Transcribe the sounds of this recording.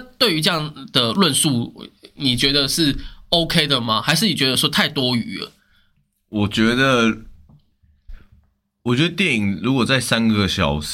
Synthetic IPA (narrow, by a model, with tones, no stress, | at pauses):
a˥t̪we˥ɪy˧˥ʈ͡ʂɤ˧jɑ˥˩ŋd̪ə˨lwə˥˧nsu˥˩ni˨˩t͡ɕɥɛ˧˥d̪ə˨ʂɻ̩˥˩o˥ʊkʰe˥ɪd̪ə˨ma˨xa˧ɪʂ̬ɻ̩˥˩ni˨˩t͡ɕɥɛ˧˥d̪ə˧˩ʂɔ˥t̪ʰa˥˩ɪt̪wɔ˥y̰˨˩˦lə̰˩ | wɔ˨˩t͡ɕɥɛ˧˥d̪ə˨ | wɔ˨˩t͡ɕɥɛ˧˥d̪ə˧t̪jɛ˥˩i˨˩ŋɻu˧˥kwɔ˨˩t͡sa˥˩ɪsa˦nɡə˨ɕjɑ˨˩ʊʂ